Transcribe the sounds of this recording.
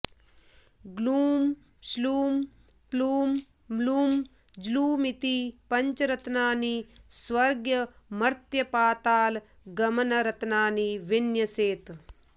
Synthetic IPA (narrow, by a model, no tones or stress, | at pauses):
ɡluːm | sluːm | pluːm | luːm | d͡ʒluːmit̪ipɐɲt͡ʃɐɾɐt̪naːnisʋɐɾɡjɐmɐɾt̪jɐpaːt̪aːl | ɡɐmɐnɐɾɐt̪naːniʋinjɐseːt̪